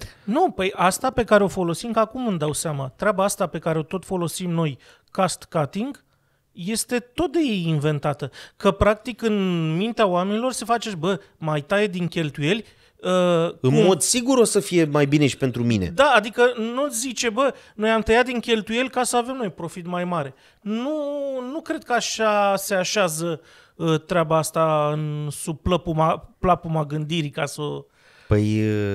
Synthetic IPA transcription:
nupəjast̪ape̞kaɾeo̞fo̞lo̞simkəakumɨmd̪awseamat̪ɾeabaast̪ape̞kaɾeo̞t̪o̞t̪fo̞lo̞simno̞j | kast̪kat̪iŋɡ | je̞st̪e̞t̪o̞t̪̚d̪e̞je̞jinve̞nt̪at̪əkəpɾak̚t̪ikɨnmint̪eaoame̞nilo̞rse̞fat͡ʃe̞bə | majt̪aje̞d̪iŋkʲe̞lt̪uje̞lʲ | əɨnmo̞d̪siɡuɾo̞səfije̞majbine̞ʃi̥pe̞nt̪ɾumine̞̰d̪aːd̪ikənuzit͡ʃe̞bəno̞jamt̪əjat̪̚d̪iŋkʲe̞lt̪uje̞lʲkasəave̞mno̞jpɾo̞fit̪majmaɾe̞ | nunukɾe̞d̪̚kəaʃase̞aʃazə | ət̪ɾeabaast̪aɨnsub̚pləpumaplapumaɡɨnd̪iɾikaso | pə̰j

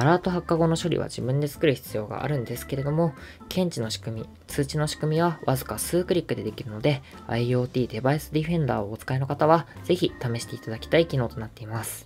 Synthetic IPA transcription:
aɾaːt̪o̞ɦakːaɡo̞no̞ɕo̞ɾʲḭβa̰ʑibɯ̟̃nd̪e̞t͡sɨ̥kɯ̟ɾɯ̟çi̥t͡sɨjo̞ːɡa̰ʔa̰ɾɯ̟̃nd̪e̞sɨ̥ke̞ɾe̞d̪o̞mo̞ | kʰẽ̞ɲ̟t͡ɕino̞ɕi̥kɯ̟mʲi | t͡sɨːt͡ɕino̞ɕi̥kɯ̟mʲiβaβazɨ̥kasɨːkɯ̟ɾʲikːɯ̟d̪e̞d̪e̞kʲiɾɯ̟no̞d̪e̞ | a̰io̞ːt̪ʲiːd̪e̞baisɨd̪ʲiɸẽ̞nd̪a̰ːoːt͡sɨ̥kaino̞kat̪aβaz̥e̞çit̪ame̞ɕi̥t̪e̞it̪ad̪akʲi̥t̪aikʲino̞ːt̪o̞nat̪ːe̞imasɨ̥

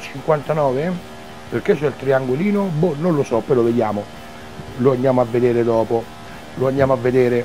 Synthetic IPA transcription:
t͡ʃiŋkwant̪anɔːve | perket͡ʃːɛlt̪ɾiaŋɡoliːnobunːonlosɔpːeloved̪jaːmo | loand̪jaːmoavːed̪eːɾed̪ɔːpo | loand̪jaːmoavːed̪eːɾe

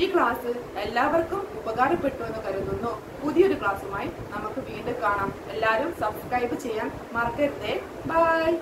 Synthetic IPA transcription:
iːkɭaːsɨe̞lːaːʋɐrkumubɐɣaːrɐpːe̞ʈːue̞nːɨkɐɾunːunːu | puðijo̞ɾukɭaːsumaːji | nɐmukːɨʋiːɳɖɨkaːɳaːm | e̞lːaːɾumsɐbskrɐjbɨt͡ɕe̞jːaːn | mɐrket̪ːe | bʱaj

